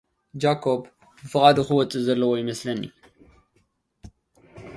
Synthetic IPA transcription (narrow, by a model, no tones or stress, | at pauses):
d͡ʒakʰo̞b | bɨfɨχʼad̪ɨxuwɔt͡sʼɨzɐlːɐwojɪmɐslɐnːḭ